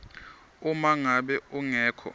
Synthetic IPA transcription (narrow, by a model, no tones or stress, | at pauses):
umaŋaɓɛuŋɛːkʰɔ̰